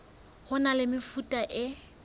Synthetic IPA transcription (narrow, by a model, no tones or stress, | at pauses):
χʊnalɪmɪfutʼaʔɪ